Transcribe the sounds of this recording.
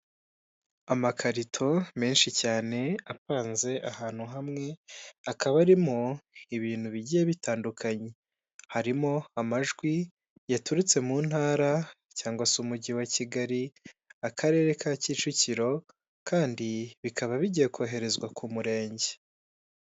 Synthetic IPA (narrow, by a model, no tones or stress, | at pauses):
amakʰaɾitʰo̞me̞ːnʃicaːne̞apaːnze̞ʔahaːn̥huɦamŋe̞akʰaβaɾimoiβiːn̥huβiɟijeβitaːndukʰaɲe̞ | haɾimo̞amaʒɡwi | jatuɾit͡se̞muːn̥haːɾa | caːŋɡwasumuɟiwaciɡaɾiakʰaɾe̞ːɾe̞kʰaciːt͡ʃuciɾo̞ | kaːndiβikʰaβaβiɟijekoːɦe̞ɾe̞zɡwakʰumuɾe̞ːɲɟe̞